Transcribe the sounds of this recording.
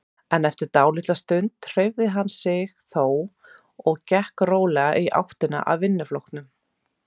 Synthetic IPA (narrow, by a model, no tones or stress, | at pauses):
ɛnɛft̪ɪɾt̪aːwlɪht̪last̪ʏnt̪r̥ejvðɪɦanːsɪɣθoːw | ɔɣcɛhkroːwlɛɣaʔiʔa̰wht̪ɪna̰ʔa̰ðːɪnːʏflowhkt̪nʏm